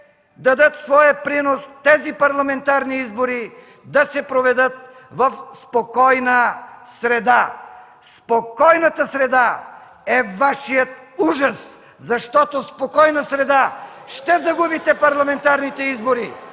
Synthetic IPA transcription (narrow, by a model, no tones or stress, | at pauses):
d̪ɐd̪ət̪svɔjəpɾinost̪ɛzipɐɾlˠɐmɛnt̪aɾniizboɾi | d̪ɐsɛpɾovɛd̪ət̪̚ | vɐfspokɔjnəsɾɛd̪a | spokɔjnət̪əsɾɛd̪a | ɛvaʃijət̪̚ | uʒɐs | zɐʃt̪ɔt̪ospokɔjnəsɾɛd̪aʃt̪ɛzɐɡubit̪ɛpɐɾlˠɐmɛnt̪aɾnit̪ɛizboɾi